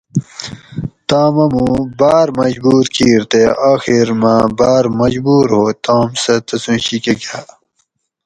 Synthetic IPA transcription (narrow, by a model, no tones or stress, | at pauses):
t̪aːmɐmũbaːɾmɐd͡ʑbuːɾkiːɾt̪eʔaːxiɾmãbaːɾmɐd͡ʑbuːɾɦoːt̪aːmsɐt̪ɐsũːɕikeɡaː